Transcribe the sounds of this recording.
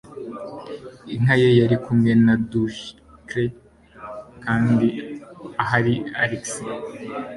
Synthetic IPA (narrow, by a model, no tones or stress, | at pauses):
iŋ̥ɦajejaɾikumŋe̞naduʃ | kɾe | kaːndiaɦaɾiaɾiksi